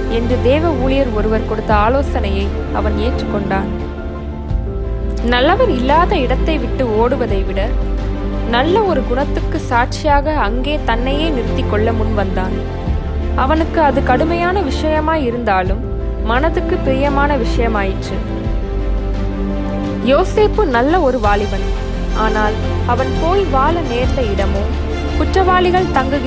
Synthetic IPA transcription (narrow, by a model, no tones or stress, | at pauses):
ɛndrɯd̪eːʋɐuːlɪjɐɾɔɾɯʋɐɾkɔɽɯt̪ːɐaːloːsɐnɐjɐɪ | ɐ̰ʋɐneːʈrɯkːɔɳɖaːn | nɐlːɐʋɐɾɪlːaːðɐɪɽɐt̪ːɐɪʋɪʈːɯoːɽɯʋɐðɐɪʋɪɽɐ | nɐlːɐɔɾɯɡʊɳɐt̪ːɯkːɯsaːʈ̚t͡ʃɪjaːɣɐːŋɡeːt̪ɐnːɐjeːnɪɾɯt̪ːɪkːɔɭːɐmʊnʋɐnd̪aːn | ɐʋɐnɯkːɯɐðɯkɐɽɯmɐjaːnɐʋɪʂɐjɐmaːjɪɾɯnd̪aːlɯmː | ɐnɐðɯkːɯpɪɾɪjɐmaːnɐʋɪʂɐjɐmaːjɪʈrɯ | joːseːpːɯnɐlːɐɔɾɯʋaːlɪʋɐn | ʔaːnaːl | ɐʋɐnpoːlʋaːlɐneːɾnlɐɪɽɐmɯ | kʊʈrɐʋaːlɪɣɐɭt̪ɐŋɡɯɣ